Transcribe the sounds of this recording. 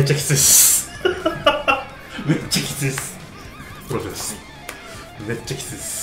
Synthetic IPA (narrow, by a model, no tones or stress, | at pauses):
et͡ɕːakʲi̥t͡sɨis | met͡ɕːakʲi̥t͡sɨiesɨ̥ | pɾosed̪es | met͡ɕːakʲi̥t͡sɨies